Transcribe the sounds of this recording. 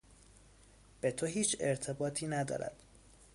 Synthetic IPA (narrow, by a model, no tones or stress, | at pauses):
b̥e̞t̪ʰoɦiːt͡ʃʰeɾt̪ʰe̞bɒːt̪ʰiːnæd̪ɒ̰ːɾæ̰d̪̥